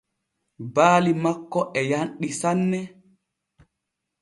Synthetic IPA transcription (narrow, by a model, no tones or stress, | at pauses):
baːlimakːɔʔɛjanɗisanːɛ